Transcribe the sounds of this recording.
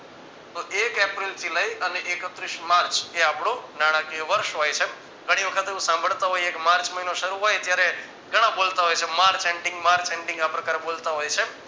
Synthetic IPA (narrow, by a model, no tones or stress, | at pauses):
t̪oʔekepɾilt̪ʰiləjəneʔekət̪ɾiʃmaɾt͡ʃeapɽ̃onaɽ̃akioʋəɾʃɦojt͡ʃʰe | ɡəɽ̃iʋəkʰət̪eʋũsãmbʱəɭt̪aɦojekmaɾt͡ʃməɦinoʃəɾuɦojt̪jaɾe | ɡʱəɽ̃ãbolt̪aɦojt͡ʃʰemaɾt͡ʃeɳɖĩŋɡmaɾt͡ʃeɳɖɪ̃ŋɡapɾəkaɾeɓolt̪aɦojt͡ʃʰe